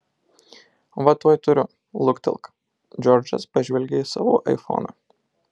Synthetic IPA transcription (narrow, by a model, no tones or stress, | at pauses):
ʋɐt̪uɔjt̪ʊɾʲʊ | lˠʊkt̪ʲɛ̰lˠˑk | d͡ʒʲɔɾʲd͡ʒɐ̰spɐʒʲʋʲɛlʲɡʲeisɐ̰ʋoːʔɐ̰ɪfo̰ːnɐ̰ː